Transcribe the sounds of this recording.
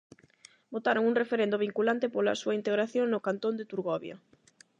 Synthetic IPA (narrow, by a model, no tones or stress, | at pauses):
bot̪aɾoŋuŋrefeɾend̪ʊβiŋkulant̪ɪpola̰suaint̪eɣɾaθjoŋnʊkant̪ond̪ɪt̪uɾɣɔβja̰